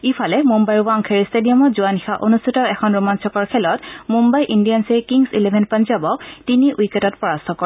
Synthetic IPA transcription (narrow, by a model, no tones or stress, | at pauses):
ipʰalɛmumbajɹwaŋkʰeɹistedijɔmɔzuanixaʔonustʰitɔɛkʰɔnɹumansʰɔkɔɹkʰɛlɔtmumbajʔindijanseɹkiŋsilebʱɛnpanzabɔk̚tiniʔujketɔt̚pɔɹastʰɔkɔɹ